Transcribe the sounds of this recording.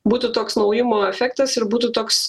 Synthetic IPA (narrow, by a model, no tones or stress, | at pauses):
buːt̪ʊt̪oːksnɐʊjɪmoːɛfʲɛkt̪ɐsɪɾbuːt̪ʊt̪oːks